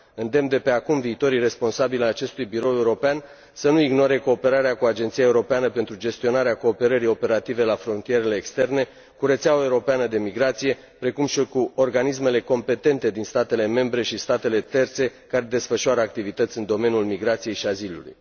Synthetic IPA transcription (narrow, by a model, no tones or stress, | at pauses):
ɨnd̪e̞md̪e̞pe̞akumviːt̪o̞ɾijre̞spo̞nsabilajat͡ʃe̞st̪ujbiɾo̞we̞uɾo̞pean | sənuiɡno̞ɾe̞ko̞ːpe̞ɾaɾeakuad͡ʒe̞nt̪sijaeuɾo̞peanəpe̞nt̪ɾud͡ʒe̞st̪io̞naɾeako̞ːpe̞ɾəɾio̞pe̞ɾat̪ive̞lafɾo̞nt̪ije̞ɾe̞le̞ːkst̪e̞rne̞ | kuɾet̪seaoeuɾo̞peanəd̪e̞miɡɾat̪sije̞ | pɾe̞kumʃikuo̞rɡanisme̞le̞ko̞mpe̞t̪e̞nt̪e̞d̪inst̪at̪e̞le̞me̞mbɾe̞ʃist̪at̪e̞le̞t̪e̞rt̪se̞kaɾe̞d̪e̞sfəʃuaɾəak̚t̪ivit̪ət̪sʲɨnd̪o̞me̞njulmiɡɾat̪sije̞jʃiazilṵlṵj